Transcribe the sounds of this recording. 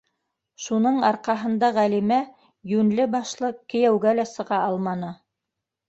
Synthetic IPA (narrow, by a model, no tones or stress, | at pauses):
ʃunɤɴɑɾqɑɦɤ̆nd̪ɑʁælimæ | jʉnlɘbɑʃlˠɤkɘ̆jæwɡælæsɤ̆ʁɑʔɑlˠmɑnɤ